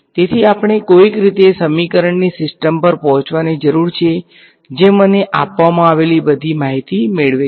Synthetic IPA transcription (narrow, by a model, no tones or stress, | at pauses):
t̪et̪ʰiapɳ̃ekoikɾit̪esəmikəɾəɳnisɪsʈəmpəɾpɔɦɔ̃t͡ʃʋanid͡ʒəɾuɾt͡ʃʰe | d͡ʒeməneʔa̰pʋamãaʋelibəd̪ʱimaɦit̪imeɭʋe